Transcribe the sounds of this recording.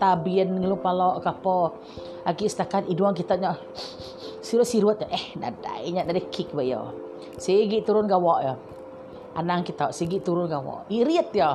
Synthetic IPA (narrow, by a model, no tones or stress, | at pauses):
t̪abiənŋəlupalɔʔkapɔ | aɡiʔsə̥t̪akat̪iduaŋkit̪aɲɔʔ | siɾʊt̪siɾuət̪̚ɲɔʔɛhna̰da̰iɲaʔnadəhkʰik̚baʔjɔ̰ | seɡiʔt̪uɾʊnɡawaʔjɔ | anaŋkit̪aʔsiɡiʔt̪uɾʊnɡawa̰ʔiɾiət̪̚jɔ